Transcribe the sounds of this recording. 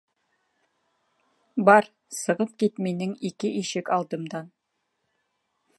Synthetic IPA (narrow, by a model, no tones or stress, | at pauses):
bɑɾ | sɤ̆ʁɤp̚kit̪minɘŋikɘʔiʃɘkɑlˠd̪ɤ̆md̪ɑn